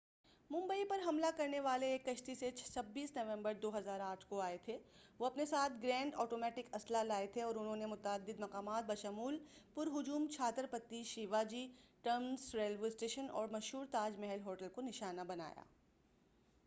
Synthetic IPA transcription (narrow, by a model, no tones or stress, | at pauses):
mʊ̃mbəipɐɾɦɐmlakɐɾneʋaːleːkːɐʃʈ̪iset͡ʃʰsɐbːiːsnɐʋɛ̃mbəɾd̪oːɦɐzaːɾaːʈʰkoaːet̪ʰe | ʋoːɐpnesaːt̪ʰɡɾɛ̃ːɳɖɔːʈoːmɛːʈɪkɐslalaːet̪ʰeɔːɾʊnɦõnemʊt̪aːd̪ːɪd̪mɐqaːmaːt̪̚bɐʃəmuːlpʊɾɦʊd͡ʒuːmt͡ʃʰaːt̪ɾpɐt̪ːiʃiʋad͡ʒiːʈɐɾmzɾeːlʋeɪsʈeːʃənɔ̰ːɾmɐʃɦuːɾt̪aːd͡ʒmɛɦɛlɦoːʈəlkonɪʃaːnabɐna̰ːja̰ː